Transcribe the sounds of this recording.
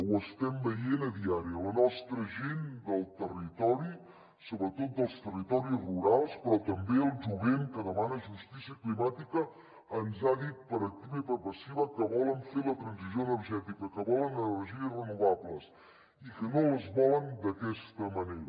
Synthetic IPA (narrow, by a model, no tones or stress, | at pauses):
wəst̪ɛmbəjenəðiaɾiələnɔst̪ɾəʒend̪əlˠt̪ərit̪ɔɾi | soβɾət̪ot̪̚d̪əlˠst̪ərit̪ɔɾizruɾalˠspɾɔt̪əmbeəlˠʒuβeŋkəðəmanəʒust̪isiəklimat̪ikəː | nzaðit̪̚pəɾək̚t̪iβəipəɾpəsiβəkəβɔləɱfelət̪ɾənzizjoənəɾʒɛt̪ikəkəβɔlənənəɾʒiəsrənuβaβləs | ikənoəzβɔlənd̪əkɛst̪əməneɾə